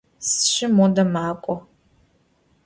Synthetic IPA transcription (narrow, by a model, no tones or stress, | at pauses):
sʃɪmodɐmaːkʷʼɔ